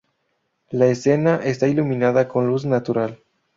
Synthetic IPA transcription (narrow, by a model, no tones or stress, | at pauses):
laesenaʔest̪ailumĩnað̞ako̞nluz̬nat̪uɾal